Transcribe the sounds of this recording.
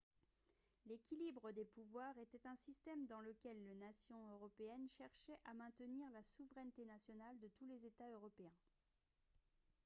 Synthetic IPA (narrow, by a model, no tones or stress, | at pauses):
lekʲilibʁəd̪epuvwaʁet̪ɛt̪ɛ̃sist̪ɛmd̪ɑ̃ləkʲɛlːenasjɔ̃øʁɔpeɛnʃɛʁʃɛʔamɛ̃t̪əniʁlasuvʁɛnt̪enasjɔnald̪ət̪ulezet̪aøʁɔpeɛ̃